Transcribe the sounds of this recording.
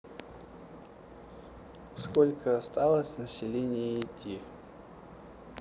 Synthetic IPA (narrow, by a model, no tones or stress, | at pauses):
skolʲkəɐst̪alˠəsʲnəsʲɪlʲenʲɪjəːtʲːi